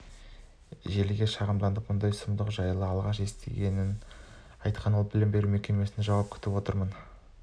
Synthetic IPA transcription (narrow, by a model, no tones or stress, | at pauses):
ʒe̞lɡʲeʃɑʁəmd̪ɑnd̪əp̚mʊnd̪ɑjsəmd̪əqʒɑjlˠəɑlˠʁɑʃe̞st̪e̞̰ɡʲe̞nɪn | ɑjt̪̚qʰɑnwolˠbɪlɪmbe̞ɾume̞kʲe̞nme̞sɪnʒɑwɑp̚kʲʰʏ̥t̪ɪpwo̞t̪əɾmən